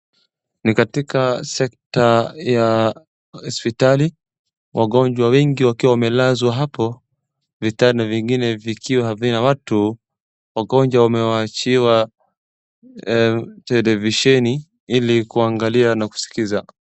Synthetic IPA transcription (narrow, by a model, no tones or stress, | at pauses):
nikatikasɛktaja | hɔspitali | wʔaɠɔɲd͡ʒwawɛŋɡiwakiwawamɛlazwaɦapɔ | vitaɾinaviŋɡinɛvikʰiwahaðinawatu | waɠɔnd͡ʒwawamɛwaːt͡ʃiwa | tɛlɛviʃɛni | ilikuaŋɡalianaku̥si̥kiza